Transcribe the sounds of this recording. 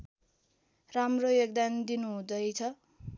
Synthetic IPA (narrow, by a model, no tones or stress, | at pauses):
ramrojoɡ̚d̪and̪inuɦũd̪ʌjt͡sʰʌ